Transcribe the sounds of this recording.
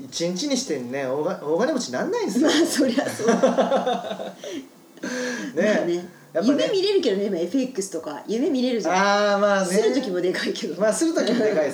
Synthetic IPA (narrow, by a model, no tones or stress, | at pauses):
it͡ɕĩɲt͡ɕiɲ̟iɕi̥t̪enneoaoːɡanemot͡ɕinãnːaĩesmaːso̞ɾeaso | nene̞ | jajɯme̞mʲiɾe̞ɾɯ̟ke̞d̪o̞ne̞imːae̞ɸe̞kːɯ̟sɨ̥t̪oka̰jɯ̟me̞mʲiɾe̞ɾɯ̟zamaːnɨɾɯ̟t̪o̞kʲimo̞d̪e̞kaike̞d̪omaːsɨɾɯt̪okʲid̪ekai